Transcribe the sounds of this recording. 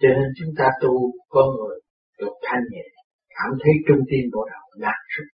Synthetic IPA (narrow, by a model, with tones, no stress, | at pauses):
t͡ɕɔ˧ne˧nt͡ɕʊ˨˦ŋ͡mt̪aː˧t̪u˧kɔ˨˦ŋɨ˨˩əj | ɗɨ˨˩ək̚t̪ʰa˧jŋɲḭ˨˧˨n | kaː˧˩mt̪ʰə˨˦jt͡ɕʊ˧ŋ͡mt̪i˧ənɓo˧˩ɗa˨˩wlaː˨˩nsɨ˦˥k̚